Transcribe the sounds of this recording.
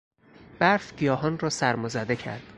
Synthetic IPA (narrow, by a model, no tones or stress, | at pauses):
b̥æɾfɟijɒːɦɒnrɒːsæɾmozæd̪ecʰæ̰ɾd̪̥